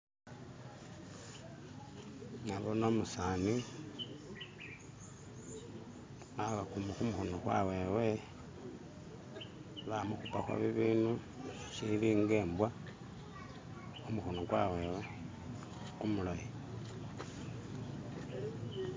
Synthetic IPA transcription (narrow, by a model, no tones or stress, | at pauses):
naβono̞musani | aβakumukumuxonokwa̰we̞ːwe̞ | βamuxupaxwa̰βiβiːnu | ʃiliːŋɡeːmbwa | umuxonokwawe̞ːwe | kumuloje